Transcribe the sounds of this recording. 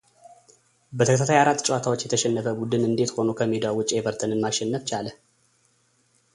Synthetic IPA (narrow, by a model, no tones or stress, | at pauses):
bət̪ʰəkʰt̪at̪ʰajaɾat̪ːt͡ʃʼɛwat̪ʰawot͡ʃːjɛt̪ʰəʃɛnːəfəbud̪ɨnɨnd̪e̞t̪ho̞nokʰəmed̪awʊt͡ʃʼːebəɾt̪ʰənɨnmaʃɛnːəft͡ʃalə